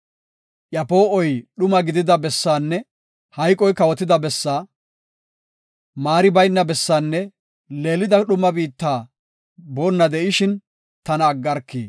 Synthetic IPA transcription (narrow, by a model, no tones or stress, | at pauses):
ʔjɐpo̞ːɔjɗʊmɐɡɪd̪ɪd̪ɐbɛsːaːnːɛ | hɐjkʼɔjkɐwɔt̪ɪd̪ɐbɛsːaː | maːɾɪbɐjnːɐbɛsːaːnːɛ | le̞ːlɪd̪ɐɗʊmːɐbiːt̪ːaː | boːnːɐd̪ɛʔɪʃɪn | t̪ɐnɐːɡːɐɾkːiː